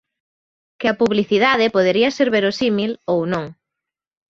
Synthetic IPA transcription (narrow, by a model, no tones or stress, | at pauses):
kɪɐpuβliθiðaðɪpoð̞eɾiɐseɾβeɾʊsimilownõŋ